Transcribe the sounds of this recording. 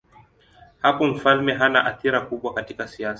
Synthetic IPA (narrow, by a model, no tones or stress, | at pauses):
hapɔm̩falmɛɦanaʔaθiɾakuɓwakatikasias